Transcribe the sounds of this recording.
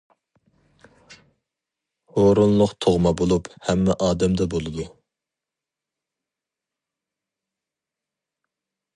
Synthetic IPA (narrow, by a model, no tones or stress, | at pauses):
hoɾunlˠʊqt̪ʰoʁmɑbolˠuphɛmːɛʔɑːd̪ɛmd̪ɛbolˠɨd̪u